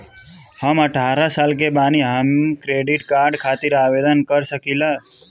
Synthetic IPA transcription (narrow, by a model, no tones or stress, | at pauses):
həməʈʰaɾasalk̬ebaniɦamkɾeɖiʈkaɾɖkʰat̪iɾaːʋed̪ənkəɾʃəkila